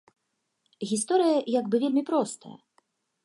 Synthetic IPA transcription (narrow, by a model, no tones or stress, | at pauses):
ɣʲist̪ɔɾɨjɐjaɡbɨvʲelʲmʲipɾɔst̪ɐ̰jɐ̰